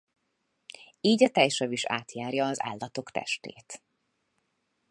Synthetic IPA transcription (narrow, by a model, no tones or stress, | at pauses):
iːɟɒt̪ɛjʃɒviʃa̰ːt̪jaːrjɒːza̰ːlːɒt̪o̞kt̪ɛ̰ʃt̪ḛːt̪